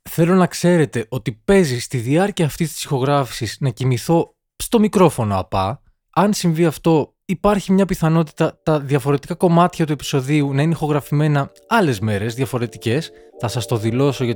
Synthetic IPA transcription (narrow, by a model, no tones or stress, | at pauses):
θe̞lo̞nɐkse̞ɾe̞t̪e̞ʔo̞t̪ipe̞zist̪iðiɐɾciɐːft̪ist̪i̥psixo̞ɣɾɐfi̥siznɐcimiθo̞ | st̪o̞mikɾo̞fo̞noɐ̰pɐ̰ | ɐnsiɱviɐft̪o̞ | ipɐɾçimɲɐpiθɐno̞t̪i̥t̪ɐt̪ɐðjɐfo̞ɾe̞t̪ikɐko̞mɐt̪çɐt̪ue̞pi̥so̞ðiunɐineixo̞ɣɾɐfime̞nɐ | ɐle̞zme̞ɾe̞zðʝɐfo̞ɾe̞t̪ice̞sθɐsɐst̪o̞ðilo̞so̞ʝɐ